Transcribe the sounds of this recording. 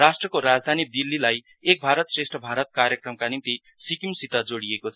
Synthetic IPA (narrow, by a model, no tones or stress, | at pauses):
rasʈrʌkoɾad͡zd̪ʱanid̪ilːilaj | ek̚bʱaɾʌt̪sresʈʰʌbʱaɾʌt̪̚kaɾjʌkrʌmkanint̪i | sikimsit̪ʌd͡zoɽijekot͡sʰʌ